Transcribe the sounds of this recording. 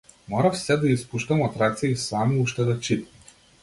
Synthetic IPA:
mɔɾɐfsʲɛd̪ɐispuʃt̪ɐmat̪ɾakt̪sijəisamiuʃt̪ɛd̪ɐt͡ʃit̪

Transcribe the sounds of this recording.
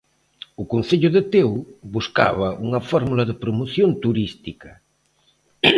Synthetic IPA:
ukun̟θeʎʊðet̪ewβuska̰βɐʔuŋɐfɔɾmulɐðepɾomoθjont̪uɾist̪ikɐ

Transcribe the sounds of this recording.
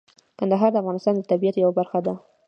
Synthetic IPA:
kand̪aɦɑɾd̪əafɣɑnɪst̪ɑnd̪ət̪abiat̪jawabaɾxad̪a

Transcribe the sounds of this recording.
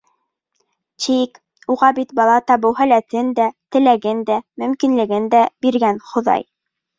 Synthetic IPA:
t̪ik | uʁɑbit̪bɑlˠɑt̪ɑβɤwɦælæt̪ɘnd̪æt̪ɘ̆læɡɘnd̪æmɵ̆mkinlɘ̆ɡɘnd̪æbiɾɡænχŏðɑ̰j

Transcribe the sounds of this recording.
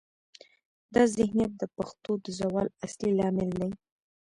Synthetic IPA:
d̪ɑzɪhnjat̪̚d̪əpaxt̪od̪əzawɑlaslilɑmɪld̪aj

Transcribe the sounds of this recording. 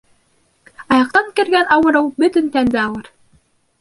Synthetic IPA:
ɑjɑq̚t̪ɑŋkɘ̆ɾɡænɑwɤ̆ɾɤwbɵ̆t̪ɵnt̪ænd̪ɘɑlˠɤɾ

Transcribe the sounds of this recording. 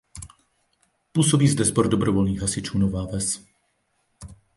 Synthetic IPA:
puːsobiːzdɛzboɾdobɾovolniːɣɦasɪt͡ʃuːnovaːvɛs

